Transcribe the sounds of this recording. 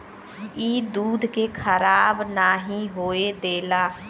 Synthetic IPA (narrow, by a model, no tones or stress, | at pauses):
iːd̪uːd̪ʱkekʰəɾaːbnaːɦĩɦoːed̪eːlaː